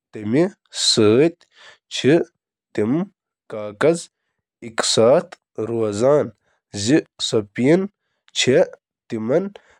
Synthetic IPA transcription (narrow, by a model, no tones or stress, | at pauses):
t̪ɐmi | səːt̪̚ʲ | t͡ɕʰi | t̪im | kaːkɐz | iksaːt̪ | ɾoɐzaːn | zisɐpiːn | t͡ɕʰe | t̪imɐn